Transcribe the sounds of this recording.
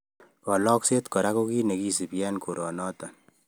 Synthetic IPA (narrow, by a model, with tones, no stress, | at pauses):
kɔ˨lɔː˦kseːt̪kɔ˨ɾakokiː˦ne˨ki˦sɪ˨pjɛːnko˨ɾɔː˨nɔːt̪a˨